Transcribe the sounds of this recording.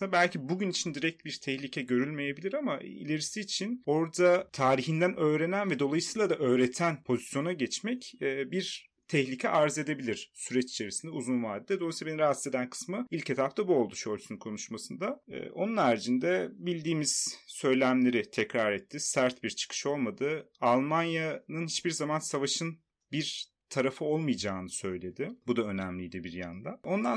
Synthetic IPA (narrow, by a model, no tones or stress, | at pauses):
bælʲcibuɟynit͡ʃʰind̪iɾɛc̚t̪biɾt̪ʰɛçlʲicʰɛɟø̞ɾylʲme̞jebilʲiɾamaḭlʲe̞ɾisiːt͡ʃʰino̞ɾd̪at̪ʰaːɾiçind̪ænʔø̞ːɾe̞nænvɛd̪o̞lˠajɯsɯjlˠad̪aʔø̞ːɾet̪ʰænpʰo̞zisjo̞naɟɛt͡ʃmɛcːbiɾ | t̪ʰɛçlʲicʰɛ̰ʔaɾze̞d̪e̞bilʲiɾ̥syɾɛt͡ʃi̥t͡ʃʰe̞ɾisind̪ɛuzunvaːd̪ʲeːd̪ɛd̪olˠajsilˠabeniɾaɦased̪ænkʰɯ̥smɯilʲcʰet̪ʰapt̪abuo̞lˠd̪uʃolʲt̪ʰynynkʰo̞nuʃmasɯnd̪aɛ̰ːo̞nunæɾd͡ʒind̪ɛbilʲd̪iːmiz̥sø̞jlʲæmlʲe̞ɾɪt̪ʰɛcɾaɾɛt̪ʰːisæɾt̪biɾt͡ʃʰɯ̥kʰɯ̥ʃo̞lˠmad̪ɯalˠmanjanɯnhit͡ʃbiɾzamansavaʃɯn | biɾ | t̪ʰaɾafɯo̞lˠmɯjd͡ʒaːnɯsø̞jlʲe̞d̪ɪbud̪aø̞næmlʲijd̪ibiɾjand̪ao̞nd̪a